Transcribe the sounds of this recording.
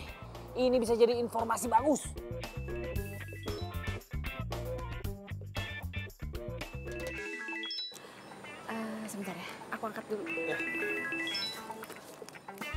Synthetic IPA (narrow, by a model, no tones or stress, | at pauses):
inibisad͡ʒadiːnfɔrmasibaɡʊs | ʔəsəbənt̪arjaʔakuaŋkat̪̚dulja